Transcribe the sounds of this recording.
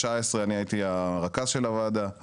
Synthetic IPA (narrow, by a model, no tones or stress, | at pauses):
aesʁeaniait̪iaʁakazʃe̞lavad̪a